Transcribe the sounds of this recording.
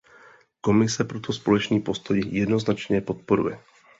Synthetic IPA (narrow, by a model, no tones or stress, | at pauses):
ko̞mɪsɛpɾot̪ʰo̞spo̞lɛt͡ʃniːpo̞st̪o̞jjɛdno̞znat͡ʃɲɛpo̞t̪̚po̞ɾṵjɛ